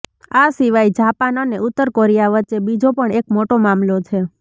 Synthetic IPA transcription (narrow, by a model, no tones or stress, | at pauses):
asiʋajd͡ʒapanoneʔʊt̪ːəɾkɔɾijaʋəːt͡ʃebid͡ʒopəɳekmoʈomamlot͡ʃʰe